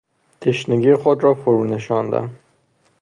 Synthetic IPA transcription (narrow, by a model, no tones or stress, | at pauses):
t̪ʰeʃneɡiːxod̪ɾɒːfoɾuːne̞ʃɒːnd̪æ̰m